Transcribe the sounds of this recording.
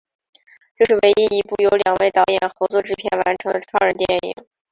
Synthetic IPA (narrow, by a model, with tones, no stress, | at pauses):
ʈ͡ʂɤ˥˧ʂɻ̩˥˩we˧˥ɪi˥i˧˥pu˥˩jo˧˥ʊljɑ˨˩ŋwe˥˩ɪt̪ɑ˧˥ʊjɛ˨˩nxɤ˧˥t͡swɔ˥˩ʈ͡ʂɻ̩˥pʰjɛ˥˩nwa˧˥nʈ͡ʂʰɤ˧˥ŋd̪ə˧ʈ͡ʂʰɑ˥ə˞˧˩t̪jɛ˥˩nḭ˨˩˦ŋ